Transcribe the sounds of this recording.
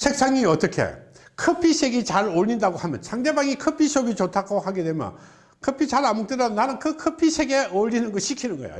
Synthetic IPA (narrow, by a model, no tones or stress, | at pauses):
t͡ɕʰek̚s͈ʰaŋiʌt͈ʌkʰe̞̰kʰɯpʰiɕʰeɡit͡ɕaɾoʎːindaɡohamjʌ̰nsʰaŋde̞baŋikʰɯpʰiɕʰobit͡ɕotʰakohaɡe̞dwe̞mjʌ̰n | kʰɯpʰit͡ɕaɾamuk̚t͈eɾʌnːanɯnkɯkʰɯpʰiɕʰeɡeoʎːinɯnɡʌɕʰikʰinɯnɡʌḛo̰